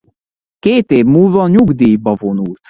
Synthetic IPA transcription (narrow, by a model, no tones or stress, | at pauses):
keːt̪eːvmuːlvɒɲuɡd̪iːjbɒvo̞nult̪